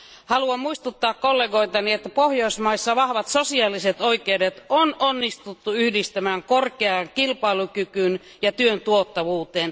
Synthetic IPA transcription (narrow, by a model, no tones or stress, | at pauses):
hɑluɑmmuist̪ut̪ːɑːkkolːeːɡo̞it̪ɑniet̪ːæpohjoismɑisːɑʋɑhʋɑt̪sosiɑːliset̪oikeudet̪ononːist̪ut̪ːuyhdist̪æmæːŋkorkeɑŋkilpɑilukykyn | jɑt̪yønt̪uot̪ːɑʋuːt̪eːn